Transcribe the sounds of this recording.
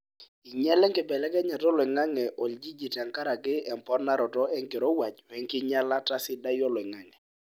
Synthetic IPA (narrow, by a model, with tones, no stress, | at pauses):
i˨ɲɛ˦lɛ˦ŋɡɪ˨bɛ˨lɛ˦kɛ˦ɲa˨tɔ˦lwɛ˨ŋa˦ŋɛ˨ʔɔ˨ld͡ʒi˦d͡ʒi˨ta˨ŋka˦ɾa˨kɪ˦ɛ˨mpɔ˦na˦ɾɔ˨tɔ˦ɛ˦ŋke˨ɾɔ˦wa˨t͡ʃwɛ˨ŋkɪ˦ɲa˦la˦ta˦sɪ˦da˦jɔ˦lɛ˨ŋa˨˦ŋɛ˨